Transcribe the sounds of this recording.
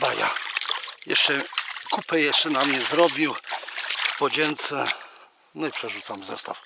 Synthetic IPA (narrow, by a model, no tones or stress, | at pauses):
baja̰ | jɛ̰ʂt͡ʂɛkupɛjɛʂt͡ʂɛnamɲɛzɾɔbʲiw | pɔd͡ʑɛnt̪sɛ | nɔipʂɛʐut̪samzɛ̰st̪af